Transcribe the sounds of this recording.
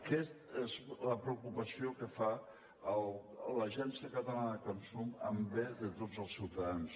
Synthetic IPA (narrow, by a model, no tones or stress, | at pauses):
kɛst̪ezləpɾəukupəsiokəfa | əlˠləʒɛnsiəkət̪əlanəðəkonsumə̰mbeðət̪od͡zəlˠsiwt̪əðans